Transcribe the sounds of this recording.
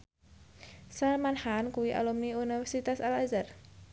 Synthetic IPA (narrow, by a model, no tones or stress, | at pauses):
salmanhankuwiʔa̰lumniunifɛrsit̪asalazar